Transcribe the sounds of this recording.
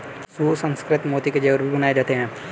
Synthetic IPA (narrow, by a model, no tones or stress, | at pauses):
suːsɐ̃nskɾɪt̪moːt̪iked͡ʒɐʋəɾbʱibɐnaːed͡ʒaːt̪eɦɛ̃ː